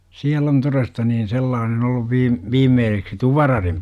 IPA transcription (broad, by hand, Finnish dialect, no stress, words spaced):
siæl on torestɑ niːn selːɑːnen olːuʋ ʋiːm ʋiːmːeːseksi tuʋɑrɑrim